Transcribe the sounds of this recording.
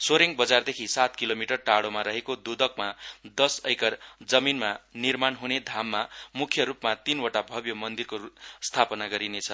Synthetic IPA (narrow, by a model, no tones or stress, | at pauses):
soɾeŋbʌd͡zard̪ekʰisat̪kilomiʈʌrʈaɽomaɾʌɦekod̪ud̪ʌk̚mad̪ʌsʌjkʌrd͡zʌminmanirmanɦuned̪ʱamːamukʰjʌɾupmat̪inoʈabʱʌbjʌmʌnd̪irkost̪ʰapʌnaɡʌɾinet͡sʰʌ